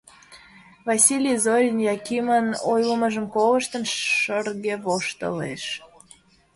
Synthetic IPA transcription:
vɑsʲilʲizoɾʲinjɑkimənojləməʒə̆mkolə̆ʃt̪ənʃərɣeβoʃt̪ə̰lḛʃ

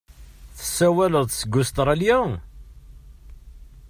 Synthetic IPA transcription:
θə̥sːæwæləðˤθsəɡːʊst̪ɾˤɑljæ

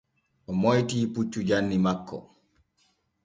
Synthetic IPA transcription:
ʔɔmɔjtiːput͡ʃːud͡ʒanːimakːɔ̰

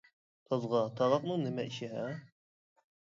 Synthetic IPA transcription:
t̪ʰɑzʁɑt̪ʰɑʁɑq̚nɨɴnɪmɛʔiʃɪɦæ

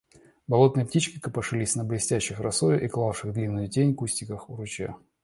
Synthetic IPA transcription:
bɐlˠo̞t̪nɨjəp̚tʲit͡ɕkʲɪkəpɐʂɨlʲisʲnəblʲɪsʲtʲæɕːɪxrɐsojʊʔiklˠafʂɨɣd̪lʲinːʊjʊtʲenʲkusʲtʲɪkəxʊɾʊt͡ɕḛ

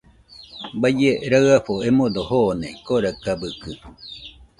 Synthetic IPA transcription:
bad͡ʒeɾaɰaɸoemõd̪ohonẽkoɾakabɯkɯ

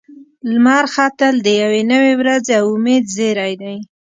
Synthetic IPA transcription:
lmɑɾxɑt̪əld̪əjawenəwewɾazeawʊmed̪zeɾajd̪aj

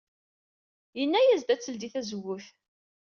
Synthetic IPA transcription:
jənːæjæzd̪æt͡sːəld̪iθæzəwːəf

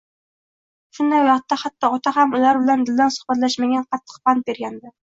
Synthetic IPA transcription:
ʃʊnd̪ajwɑχt̪ːahat̪ʰːɒɒt̪ʰaɦamʊlaɾbɪland̪ɪld̪ansʊ̥χbat̪laʃmaɡʲanqʰɑt̪ʰːɨ̥q̚bant̪̚be̞ɾɡʲand̪ɪ

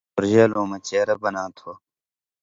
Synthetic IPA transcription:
ʊɾʒeːloːmɐt͡ɕeːɾɐbɐnaːt̪ʰoː

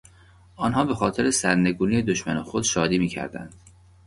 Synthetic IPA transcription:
ʔɒːnɦɒːbe̞xɒːt̪ʰe̞ɾesæɾne̞ɡuːnije̞d̪oʃmænexo̞d̪ʃɒːd̪iːmiːcʰæ̰ɾd̪æ̰nd̪̥

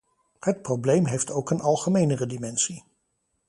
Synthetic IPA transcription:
hət̚prowblejmɦejftowkənʔɑlˠχəmejnərədimɛnsi

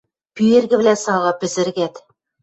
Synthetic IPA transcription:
pyjeɾɡɘ̆bɘ̆lænsɑlˠʁɑpɘ̆zɘ̆ɾɡæt̪

